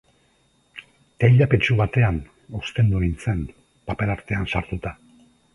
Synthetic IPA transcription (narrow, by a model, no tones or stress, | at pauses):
t̪ajʎapet͡ʃuβat̪e̞an | o̞st̪e̞nd̪uɾint͡se̞n | pape̞laɾt̪e̞ansaɾt̪ut̪a